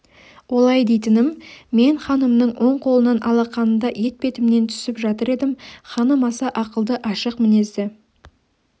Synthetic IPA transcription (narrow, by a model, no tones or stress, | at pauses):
wo̞lˠɑjd̪e̞jt̪ɪnɪmme̞ɴχɑnəmnəɴwʔo̞ɴqʰo̞lˠənɑnʔɑlˠɑqʰɑnənd̪ɑje̞t̪̚pe̞t̪ɪmne̞nt̪ʰʏ̥sɪpʒɑt̪əɾe̞d̪ɪmχɑnəmɑsɑʔɑqəlˠd̪əʔɑʃəqmɪne̞zd̪ɪ